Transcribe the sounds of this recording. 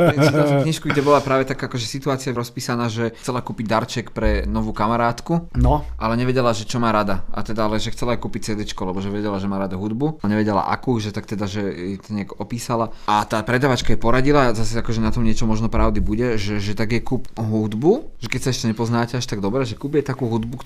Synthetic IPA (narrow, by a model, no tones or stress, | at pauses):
ialukɲiʃkuɡɟɛbɔlapɾaːʋɛt̪akaːakɔʒɛsit̪uaːt͡siaɾɔspiːsanaːʒɛt͡sɛlakuːpiɟ̚d̪aɾt͡ʃɛkpɾɛnɔʋuːkamaɾaːt̪kunɔʔalɛɲɛʋɛɟɛlaʒɛt͡ʃɔmaːɾad̪aʔa̰t̪ɛd̪aalɛʒɛxt͡sɛlajkuːpic̚t͡sɛːd̪ɛt͡ʃkɔlɛbɔʒɛʋɛɟɛlaʒɛmaːɾad̪aɦud̪buɲɛʋɛɟɛla̰ʔa̰kuːʒɛt̪ak̚t̪ɛd̪aʒɛjɛt̪ɔɲɪaɡɔpiːsalaat̪aːpɾɛd̪aːʋat͡ʃkajɛpɔɾaɟilazasɛakɔʒɛnat̪ɔmɲɪɛt͡ʃɔmɔʒnɔpɾaʊd̪ibuɟɛʒɛʒɛt̪aɡjɛkuːpɦud̪buʒɛkɛcsaɛʃcɛɲɛpɔznaːcɛaʃt̪aɡd̪ɔbɾɛːʒɛkuːbjɛt̪akuːɦud̪buk